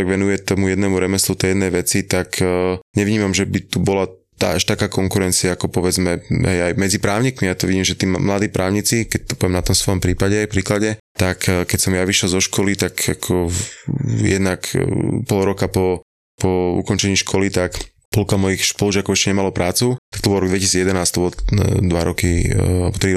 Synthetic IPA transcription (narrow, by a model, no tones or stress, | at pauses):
ɔɛɡʋɛnujɛt̪ɔmujɛd̪nɛmuɾɛmɛslut̪ɛjɛd̪nɛjʋɛt͡sit̪akʰɲɛʋɲiːmamʒɛbit̪ubɔla | t̪a̰aʃt̪akaːkɔŋkuɾɛnt͡siaːkɔpɔʋɛd͡zmɛɦɛjajmɛd͡zipɾaːʊɲiːkmijat̪ɔʋiɟiːmʒɛt̪iːmmlad̪iːpɾʔaːʊɲit͡sikɛc̚t̪ɔ̥pɔʋɛmnat̪ɔmsʋɔjɔmpɾiːpaɟɛajfpɾiːklaɟɛtt̪akkɛcsɔmjaʋiʃɛlzɔʃkɔlit̪akakʰɔ | jɛd̪nakpɔlˠɾɔkapɔ | pɔṵkɔnt͡ʃɛɲiːʃkʰɔlit̪ak | pɔlkamɔjixʃpɔluʒɪakɔʊɛʃcɛɲɛmalɔpɾʔaːt͡sut̪ḁkt̪ɔbɔlˠɾɔɡd̪ʋɛcisiːd͡zjɛd̪ɛnaːst̪ɔbɔld̪ʋaɾɔkialɛbɔt̪ɾi